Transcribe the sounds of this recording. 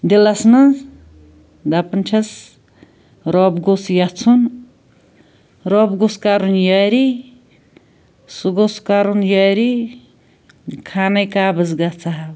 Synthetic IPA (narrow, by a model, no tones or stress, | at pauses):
d̪elasnɐ | d̪apɐnt͡ʃʰɐs | ɾɔbɡosjat͡sʰun | ɾɔbɡoskaɾunjaɾi | suɡoskaɾunjɔjɾi | kʰanɐjkabɨzɡat͡sʰaɦ